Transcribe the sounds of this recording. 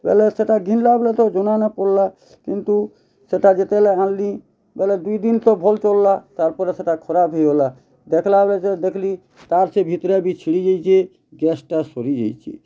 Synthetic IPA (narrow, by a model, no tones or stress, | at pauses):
bɛ̰lɛseʈaɡʱinlablɛt̪ɔd͡ʒonanapɔɾla | kint̪u | seʈad͡ʒet̪ɛlɛãlːi | bɛlɛd̪ujd̪int̪ɔbʱɔlt͡ʃɔlːat̪aɾpɔɾeseʈakʰɔɾabɦejola | d̪ekʰlablɛd͡ʒed̪ekʰli | t̪aɾsebʱit̪ɾebit͡ʃʰiɽid͡ʒajt͡ʃʰe | ɡɛsʈasoɾid͡ʒa̰jt͡ʃʰḭ